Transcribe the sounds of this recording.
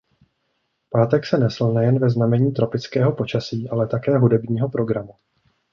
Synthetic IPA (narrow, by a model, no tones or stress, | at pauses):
paːt̪ɛksɛnɛsl̩nɛjɛnvɛznamɛɲiːt̪ɾo̞pɪt͡skɛːɦo̞po̞t͡ʃasiːʔalɛt̪akɛːɦudɛbɲiːɦo̞pɾo̞ɡɾamu